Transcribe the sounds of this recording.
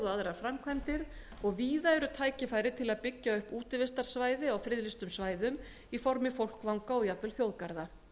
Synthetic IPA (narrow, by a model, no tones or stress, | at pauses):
ðʏaðɾaɾfɾamkʰvɛnt̪ɪɾ | ɔɣviːðaɛɾʏt̪ʰaːjcɪfaːjɾɪt̪ʰɪlaðpɪcːaʏhpuːt̪ɪvɪst̪aɾ̥svaːjðɪawfɾɪðlɪst̪ʏmsvaːjðʏm | ifɔɾmɪfowl̥kvawŋkaɔɣjat̪vɛlθjowðkaɾða